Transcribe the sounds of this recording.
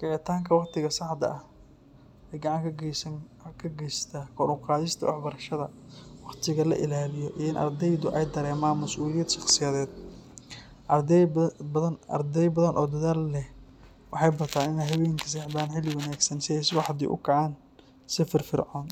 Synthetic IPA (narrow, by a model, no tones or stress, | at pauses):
kʰʕɪt̪ʰaːŋkʰɐwɑqt̪ʰɪɣɐsɑħd̪ɐ̰ʔɐh | ʔɛjɡɑʕɑŋkʰɐ | kʰɐɡɛjst̪ʰaːkʰɔɾʊqɑːðɪst̪ʰɐ̰wɑ̰ħbɐɾɐʃɐðɐwɑqt̪ʰɪɣɐlɐ̰ʔɪlaːlɪjɔʔiɪnʔɐ̰rd̪ɛjd̪ʊʔɛjd̪ɐɾɛːmaːnmɐsʔuːlɪjɛd̪ʃɑχsɪjɐːðɛːd̪̚ | nɐ̰rd̪ɛjbɐðɐnʔɔːd̪ɐðaːlːɛh | wɑħɑjbɐt̪ʰaːnɪnɛjɦɐβɛjŋkʰɐ̥s̬ɛħd̪aːnħɪlɪwɑnaːɡsɐnsɪɛjsɪwɑħd̪ḭːʔʊ̰kʰɑʕaːn | sɪfɪrfɪ̰rʕɔːn